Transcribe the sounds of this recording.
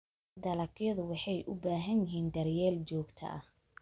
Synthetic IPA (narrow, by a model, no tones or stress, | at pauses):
d̪ɐlɐkjɐðʊwɑħɑjʔʊbaːɦɐnjɪɦiːnd̪ɐrjɛːlt͡ʃɔːɡt̪ʰɐ̰ʔɐ̰h